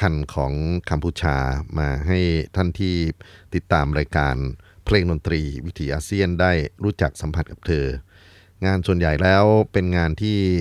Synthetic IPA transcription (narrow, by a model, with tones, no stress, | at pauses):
kʰa˧nkʰɔː˩˦ŋka˧mpʰuː˧t͡ɕʰaː˧maː˧ɦa˥˩jt̪ʰa˥˩nt̪ʰiː˥˩t̪i˨˩t̪ːaː˧mɾaː˧jkaː˧npʰleː˧ŋdo˧nt̪ɾiː˧wi˦˥t̪ʰiː˨˦˥ʔaː˧si˥˩əndaː˥˩jɾuː˦˥t͡ɕa˨˩k̚sa˩˦mpʰa˧˩t̪̚ka˨˩p̚t̪ʰɤː˧ | ŋaː˧nsu˨˩ənja˨˩jlɛː˦˥wpe˧nŋaː˧nt̪ʰiː˥˩